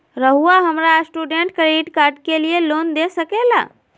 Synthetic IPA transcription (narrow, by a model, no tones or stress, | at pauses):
ɾəɦuaɦəmɾasʈuɖeɳʈkɾeɖiʈkaːɾɖkelieloːnd̪esəkela̰ː